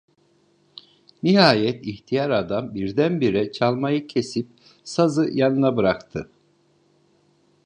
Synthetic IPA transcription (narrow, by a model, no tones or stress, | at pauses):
nihaːjɛt̪içt̪ʰijaɾad̪ambiɾd̪ænbiɾɛt͡ʃʰalˠmajɯcʰesip̚ | sazɯjanɯnabɯɾakt̪ʰɯ